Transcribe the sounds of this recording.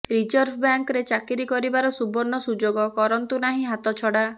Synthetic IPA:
ɾid͡ʒɔɾbʰbjaŋkɾet͡ʃakiɾikɔɾibaɾɔsubɔnːɔsud͡ʒoɡɔkɔɾɔnt̪unaɦĩɦat̪ɔt͡ʃʰɔɽa

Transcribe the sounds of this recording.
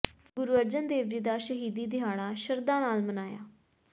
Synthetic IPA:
ɡʊɾuːʋəɾd͡ʒənd̪eːʋd͡ʒiːd̪aːʃəɦiːd̪iːd̪ɪɦaːɽaːʃəɾd̪ãːnaːlmənaːja̰ː

